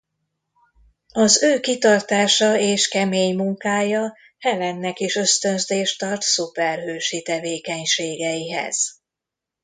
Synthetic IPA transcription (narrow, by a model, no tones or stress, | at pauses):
ɒzøːkit̪ɒrt̪aːʃɒeːʃkɛmeːɲmuŋkaːjɒ | hɛlɛnːɛkiʃø̞st̪ø̞nzeːʃt̪ɒrt̪supɛrɦøːʃit̪ɛveːkɛɲʃeːɡɛjiɦɛ̰z̥